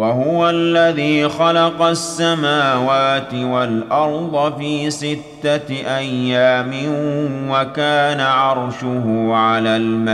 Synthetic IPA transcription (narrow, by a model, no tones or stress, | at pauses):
waɦʊwalːaðiːxɑlɑqɑsːamaːwaːt̪ɪwalʔɑɾˤd̪ˤɑfiːsɪt̪ːaʔajːaːmɪnwakaːnaʕɑɾˤʃʊɦʊːʕalaːlma